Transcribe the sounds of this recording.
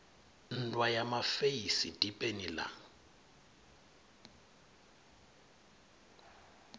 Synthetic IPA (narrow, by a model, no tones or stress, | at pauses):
n̩tʼwajamafejisitʼipʼenila̰